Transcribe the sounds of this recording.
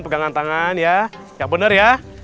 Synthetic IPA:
npəɡaŋant̪aŋanjajaŋbənərja

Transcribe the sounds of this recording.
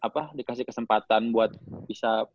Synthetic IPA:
apadikasɪhkəsəmpat̪anbuat̪̚b̥isa

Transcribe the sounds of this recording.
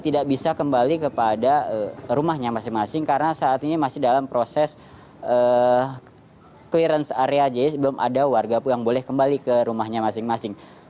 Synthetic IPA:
t̪idaʔ̚bisakəmbalikəpadaərumahɲamasɪŋmasɪŋkarənasaʔːt̪inimasɪhdalampɾosɛs | əː | kliɾənsaɾead͡ʒasbəlʊmʔa̰dawarɡapujaŋbolɛhkəmbalikəɾumahɲamasɪŋmasɪŋ

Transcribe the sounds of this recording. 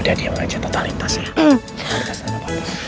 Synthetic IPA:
dadiaməŋa̰d͡ʒat̪ot̪alit̪asja | kasaɲapal

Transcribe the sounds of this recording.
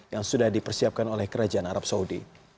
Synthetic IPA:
jaŋsudahdipərsiap̚kanolɛhkəɾad͡ʒaanaɾap̚saudḭ

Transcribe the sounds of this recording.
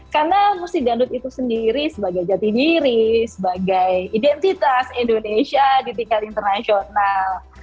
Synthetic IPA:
karnamusid͡ʒandʊt̪̚it̪usəndiɾisəbaɡajd͡ʒat̪idiɾisəbaɡajidɛnt̪it̪asindonesiadit̪ikalint̪ərnasional

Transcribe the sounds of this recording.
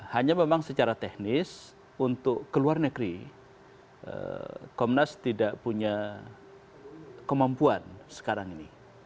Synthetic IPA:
haɲamemaŋsət͡ʃaɾat̪ɛhnɪs | unt̪ʊkːəluarnəɡɾi | ʔə̰kɔmnast̪idaʔpuɲa | kəmampuansə̥kaɾaŋini

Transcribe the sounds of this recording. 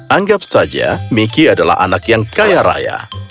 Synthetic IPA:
aŋɡap̚sad͡ʒa̰mikiadala̰ɦa̰nakjaŋkajaɾa̰ja̰

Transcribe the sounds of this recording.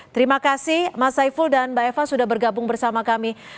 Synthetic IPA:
t̪əɾimakasɪhmasaifuldanbaefasudahbərɡabʊŋbərsamakami

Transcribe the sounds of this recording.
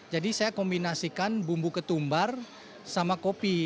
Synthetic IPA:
d͡ʒadisajakɔmbinasikanbumbukət̪umbar | samakopi

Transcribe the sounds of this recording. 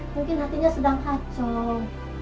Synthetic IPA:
muŋkɪnhat̪iɲasədaŋkat͡ʃɔŋ

